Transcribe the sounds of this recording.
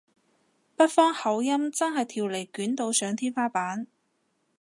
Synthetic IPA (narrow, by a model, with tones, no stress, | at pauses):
pɐ˥t̚fɔː˥ŋhɐ˨˥wjɐ˥mt͡sɐ˥nɦɐ˨jt̪ʰiː˨wle˨˩jkyː˨˥nt̪o˨˧wsœː˨˧ŋt̪ʰiː˥nfaː˥paː˨˥n